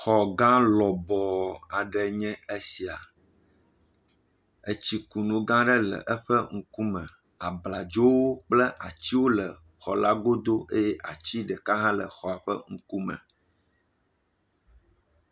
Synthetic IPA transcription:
xɔ˨ɡã˦lɔ˨bɔ˨a˨ɖɛ˨ɲɛ̃˦e˦si˨a˨ | e˨t͡ɕi˦ku˨nũ˨ɡã˦ɖə˦lə̰˨ʔə˦ɸɛ˦ŋ̩˦ku˦mɛ̃˨ | a˨bla˨d͡ʒo˦wo˦k͡plə˦ʔa˨t͡ɕi˦wo˦lə˨ | xɔ˨la˦ɡo˦d̪o˦e˦jɛ˦ʔa˨t͡ɕi˦ɖɛ˨ka˦ɦã˦lə̰˨xɔ˨a˨ɸə̰˦ŋ̩˦ku˦mɛ̰̃˨

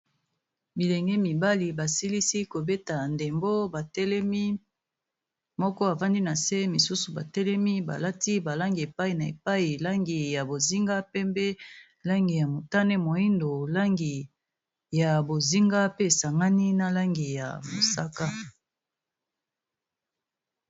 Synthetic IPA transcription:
bi˨lɛ˨ŋɡe˦mi˨ba˦li˨ba˨si˦li˦si˦ko˨be˦ta˨nde˨mbo˦ba˨tɛ˦lɛ˦mi˦ | mɔ˦kɔ˦a˨va˦ndi˦na˨se˦mi˨su˦su˨ba̰˨tɛ˦lɛ˦mi˦ba̰˨la˦ti˦ba˨la˦ŋɡi˨e˨pa˦i˨na˨ḛ˨pa˦i˨la˦ŋɡi˨ja˨bo˨zi˦ŋɡa˦pe˦mbe˦ | la˦ŋɡi˨ja˨mo˨ta˦nɛ˦mo˨i˦ndo˨la˦ŋɡi˨ | ja˨bo˨zi˦ŋɡa˦pe˦e˨sa˨ŋɡa˦ni˦na˨la˦ŋɡi˨ja̰˨mo̰˨sa˦ka˦

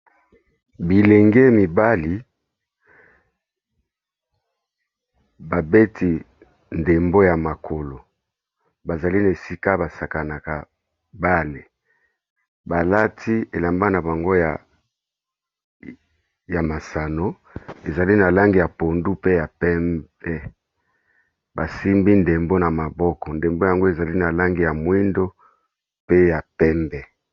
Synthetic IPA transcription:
bi˨le˨ŋɡe˦mi˨ba˦li˨ | ba˨be˦tʰi˨ | nde˨mbo˦ja˨ma˨kʰo˨lo˨ | ba˨za˨li˦na˨e˨si˦ka˦ba˨sa˨ka˨na˨ka˨ | ba˦le˨ | ba˨la˦tʰi˦e˨la˨mba˦na˨ba˨ŋɡo˦ja˨ | ja˨ma˨sa˨no˦ | e˨za˨li˦na˨la˦ŋɡi˨ja˨po˨ndu˦pe˦ja˨pɛ˦mbɛ˦ | ba˨si˦mbi˦nde˨mbo˦na˨ma˨bɔ˦kɔ˨nde˨mbo˦ja˨ŋɡo˦e˨za˨li˦na˨la˦ŋɡi˨ja˨mwi˦ndo˦ | pe˦ja˨pɛ˦mbɛ˦

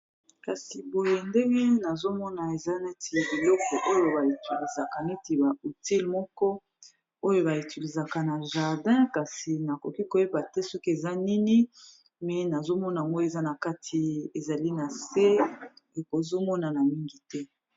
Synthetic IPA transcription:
ka˨si˨bo˨je˨nde˦ŋɡe˦na˨zo˦mɔ˦na˨e˨za˦ne˦ti˨bi˨lɔ˦kɔ˨ʔo˦jo˨ba˨i˨ti˨li˨za˨ka˨ne˦ti˨ba˨u˨ti˦lmɔ˦kɔ˦ | o˦jo˦ba˨i˨ti˨li˨za˨ka˨na˨ʒa˨ʁdɛ̃˦ka˨si˨na˨ko˨ki˦ko˨je˦ba˨tɛ˦sɔ˦ke˨za˦ni˦ni˦ | mɛ˨na˨zo˦mɔ˦na˨ŋɡo˦e˨za˦na˨ka˦tʰi˨e˨za˨li˦na˨se˦e˨ko˨zo˦mɔ˦na˨na˨mi˦ŋɡi˨tɛ˦

